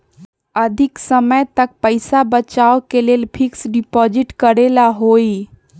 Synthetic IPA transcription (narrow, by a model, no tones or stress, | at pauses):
əd̪ʱiksəməjt̪ək̚pəɪsabət͡ʃaokelelpʰiksɖipɔd͡ʒiʈkəɾelaɦoi